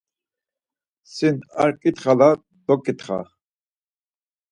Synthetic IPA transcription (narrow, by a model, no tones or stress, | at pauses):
sina̰ɾkʼit̪χala | d̪̥ɔkʼit̪χa̰